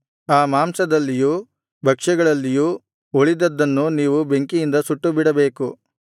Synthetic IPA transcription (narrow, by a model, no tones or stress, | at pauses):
aːmaːmsɐd̪ɐlːijuː | bʱɐkʂɐɡɐɭɐlːijuː | oɭid̪ɐd̪ːɐnːuniːʋube̞ŋkijind̪ɐsuʈːubiɽɐbe̞ːku